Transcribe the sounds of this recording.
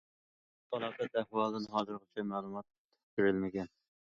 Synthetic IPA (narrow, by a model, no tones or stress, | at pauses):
t̪ʰɑlˠɑqɛt̪æhwɑlˠd̪ɨnɦɑːzɨɾʁɨt͡ʃʰɛmælˠumɑt̪̚ː | kyɾɪlmɪɡʲɛn